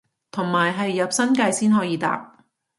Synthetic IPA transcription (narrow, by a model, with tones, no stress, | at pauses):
t̪ʰʊ˨˩ŋmaː˨˩jɦɐ˨jːɐ˨p̚sɐ˥nkaː˧jsiː˥nɦɔː˨˥jiː˨˧t̪a̰ː˨p̚